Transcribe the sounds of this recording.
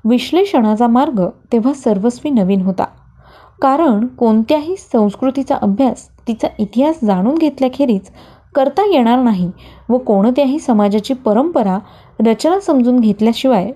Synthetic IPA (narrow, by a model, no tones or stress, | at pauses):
ʋiɕleʂəɽ̃at͡samaɾɡət̪eʋ̤asəɾʋəsʋiːnəʋiːnɦot̪a̰ | kaɾəɳkoɳt̪jaɦiːsə̃w̃skɾut̪it͡sa̰ʔəbʱjas | t̪it͡saʔit̪iɦasd͡zaɽ̃uːnɡʱet̪ljakʰeɾiːt͡s | kəɾt̪ajeɽ̃aɾnaɦiʋəkoɽ̃ət̪jaɦiːsəmad͡ʑat͡ɕiːpəɾəmpəɾa | ɾət͡ɕnasəmd͡zuːnɡʱet̪ljaɕiʋaj